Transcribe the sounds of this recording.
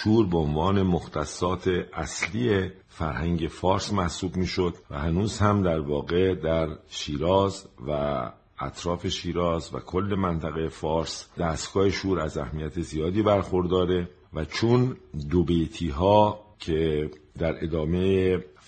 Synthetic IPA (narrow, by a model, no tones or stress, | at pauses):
ʃuːɾbeonvɒːne̞mo̞xt̪ʰæsːɒːt̪ʰe̞ʔæsliːe | fæɾhæŋɟe̞fɒːɾsmæhsuːbmiːʃo̞d̪̥væ̰hænuːz̥hæmd̪æɾvɒːɣe̞d̪æɾʃiːɾɒːzvæ̰ː | t̪ʰɾɒːfe̞ʃiːɾɒːzvæ̰kʰo̞lːe̞mænt̪ʰæɣejefɒːɾsd̪æːst̪ɡ̥ɒːheʃuːɾæzæ̰hmijæt̪ʰezijɒːd̪iːbæɾxo̞ɾd̪ɒːɾe̞ | væt͡ʃʰond̪obejt̪ʰiːɦɒːcʰe̞ | d̪æɾe̞̰d̪ɒːme̞je